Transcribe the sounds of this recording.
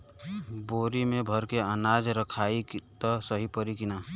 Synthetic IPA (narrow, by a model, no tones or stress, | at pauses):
boɾimebʱəɾkeənad͡ʒɾəkʰaikt̪ɔsəɦipəɾikina